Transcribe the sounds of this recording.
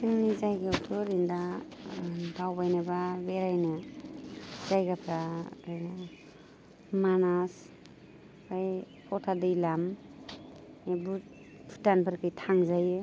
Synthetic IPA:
sɯŋnizajɡapʰɯɾinda | bawbajnababeɾajna | zajɡapʰɾaɾɯjna | manas | kʰaj | pʰɔtʰadɯjlam | ebu | pʰu̥tanpʰɯɾkʰɯjtʰaŋzajɯ

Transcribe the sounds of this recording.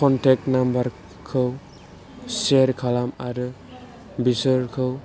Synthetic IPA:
kʰɔntʰɛk̚tnambaɾ | kʰɯw | seɾkʰalamaɾɯ | bisɯɾkʰɯw

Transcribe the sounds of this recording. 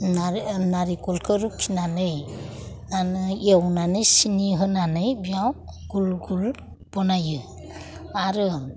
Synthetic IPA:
nanaɾikɔlkʰɯɾukʰinanɯj | nanɯiewnanɯjsiniɦɯnanɯjbijaw | ɡ̥ulɡul | b̥ɔnajɯ | aɾɯ

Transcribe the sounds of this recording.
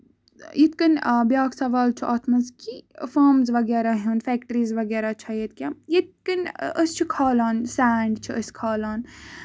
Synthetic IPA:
jit̪kɐnbjaːksɐʋaːlt͡ʃʰiʔaːt̪ʰmɐnzkifaːmzʋɐɡɛːɾaɦɐːnfæːkʈəɾiːzʋɐɡɛːɾat͡ʃʰɐjet̪̚kʲajit̪̚kənəst͡ʃʰikʰaːlaːnsaːɳɖt͡ʃʰiəskʰaːlaːn

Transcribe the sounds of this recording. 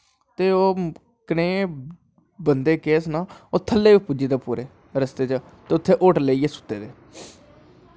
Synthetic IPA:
t̪eːoː | kənẽː | bənd̪eːkeːsnaːoːt̪ʰəlːeːʋipʊd͡ʒiːt̪aːpuːɾeː | ɾəst̪eːt͡ʃə | t̪eːʊt̪ʰːeːʔoːʈleiːeːsʊ̥t̪ːeːd̪eː

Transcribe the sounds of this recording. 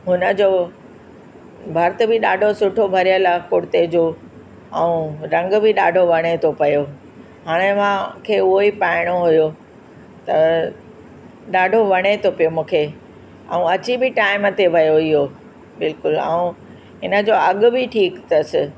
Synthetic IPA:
ɦʊnə̆d͡ʑo | bʱɐɾt̪̆bɪɗaːɖʱosʊʈʰobʱɐɾijəlakʊɽt̪ed͡ʑo | ɐ̃ũɾɐ̃ŋɡbɪɗaːɖʱoʋɐɽ̃et̪ʰopɐjo | ɦaːɽ̃emãkʰeːʊɦoipaːɪɽ̃oɦujo | t̪ɐ | ɗaːɖʱoʋɐɽ̃et̪ʰopijomũːkʰe | ɐ̰ũɐt͡ɕibɪʈaːɪmət̪eʋʱɐjoɪɦo | bɪlkʊlɛ̰̃ũ | ɦɪnə̆d͡ʑoɐɠbɪʈʰiːkt̪ɐsɪ

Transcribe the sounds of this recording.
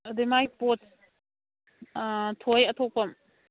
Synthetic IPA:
d̪emajpot | tʰojɐt̪ʰok̚pɐm

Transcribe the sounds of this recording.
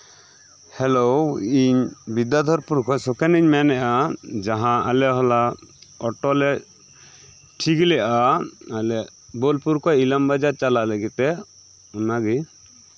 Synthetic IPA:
hɛloiɲbid̪ad̪ʱɔɾpuɾkɔsɔkɛniɲmɛnɛʔad͡ʒaɦãa̰lɛɦɔlaɔʈɔlɛ | ʈʰikilɛʔaalɛ | bolpuɾkɔilambad͡ʒaɾt͡ʃalaʔləɡit̪ɛ | unaɡi

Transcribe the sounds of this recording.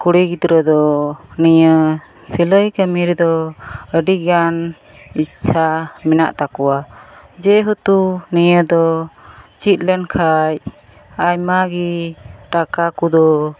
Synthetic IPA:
kuɽɛɡit̪ɾəd̪ɔnijə | siləjkəmiɾd̪ɔəɖiɡan | it͡ʃʰamɛna̰ʔt̪akɔwad͡ʒɛɦut̪uniɲəd̪ɔ | t͡ʃit̪̚lɛnkʰaj | ajmaɡiʈakakud̪ɔ

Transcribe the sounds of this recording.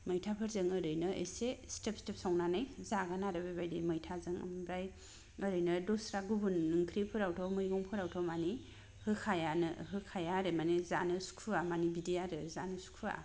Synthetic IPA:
mɯjtʰapʰɯɾzɯŋəɾɯjnɯḛsestepstep̚sawnanɯjzaɡanaɾɯbajbajdimɯjtʰazɯŋa̰mbɾaj | ɐɾɯjnɯdosɾaɡubunːɯŋkʰɾipʰɯɾawtʰɔmɯjɡɔŋpʰɯɾawtʰɔmani | hɯkʰajanɯɦɯkʰajaɾɯmanezanɯsu̥kʰuamanibidijaɾɯzanɯsu̥kʰua̰

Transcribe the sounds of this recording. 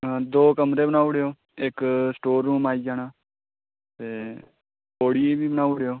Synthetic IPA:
d̪oːkəmɾeːbənaːuɽejoː | ɪksʈoːɾːũːmaːiːd͡ʒaːnaː | t̪eː | oːɽiːebʱiːbənaːuɽejoː

